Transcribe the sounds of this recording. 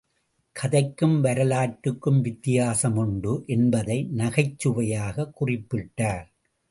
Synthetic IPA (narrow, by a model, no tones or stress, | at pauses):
kʰɐðɐɪkːɯmʋɐɾɐlaːʈːɯkːɯmʋɪt̪ːɪjaːsɐmʊɳɖɯʔɛnbɐðɐɪnɐɣɐɪt͡ʃːɯʋɐjaːɣɐkːʊrɪpːɪʈːaːɾ